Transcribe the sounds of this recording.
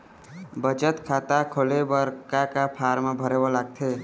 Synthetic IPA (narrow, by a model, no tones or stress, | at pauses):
bəd͡ʒət̪kʰat̪akʰolebəɾkakapʰaːɾmabʱəɾebolaɡ̚t̪ʰe